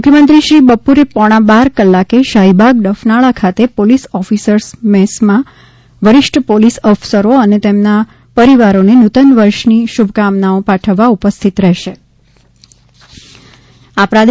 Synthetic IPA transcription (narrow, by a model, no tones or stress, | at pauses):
mʊkʰjəmənt̪ɾiʃɾibəpuɾepɔɽ̃ãbaɾkəlːakeʃaɦibʱaɡ̚d̪əfnaɭakʰat̪epolisɔfisəɾsmɛsmã | ʋəɾɪʃʈʰəpolisɔfsəɾoənet̪emna | pəɾiʋaɾonenut̪ənʋəɾʃniʃubʱkamnaopaʈʰəʋːaupəst̪ʰit̪ɾɛɦʃe | apɾad̪e